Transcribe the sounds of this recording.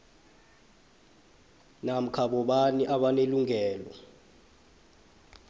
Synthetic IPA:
nam̩kʰaɓɔɓaniʔaɓaneluŋɛːlɔ̰

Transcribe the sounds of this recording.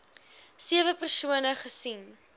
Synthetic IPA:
siəvəpərsuənəχəsin

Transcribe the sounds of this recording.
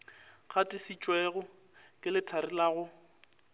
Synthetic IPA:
k͡xʰatʼɪsit͡ʃʼwɛɣʊ | kʼɪlɪtʰaɾɪlaːɣʊ

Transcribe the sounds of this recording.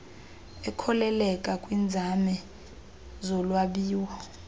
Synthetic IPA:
ɛkʰɔlɛlɛkʼakʼwind͡zʱamɛ | zɔlwaɓiːwɔ

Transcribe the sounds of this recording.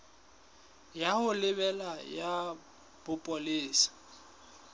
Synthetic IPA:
jahʊlɪbɛlaja | b̥ʊpʼɔlɪːsḁ

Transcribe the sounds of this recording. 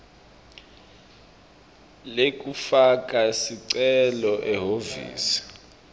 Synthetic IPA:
lek̬ʼufak̬ʼasiǀɛlɔʔɛɦovḭːsi̥

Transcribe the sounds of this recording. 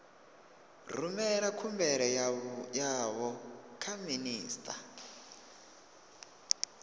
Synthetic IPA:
r̤umɛɾakʰumbɛɺɛjaβɔkʰaminiːstʰʼa̰

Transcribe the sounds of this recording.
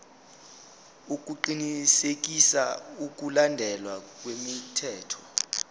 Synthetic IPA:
uk̬ʼuǃinisek̬ʼisauk̬ʼulandʱɛlwak̬ʼwemitʰɛːtʰɔ̥

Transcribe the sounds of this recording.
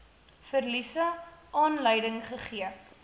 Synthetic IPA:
fərlisɐʔɑːnləjdəŋχəχiə

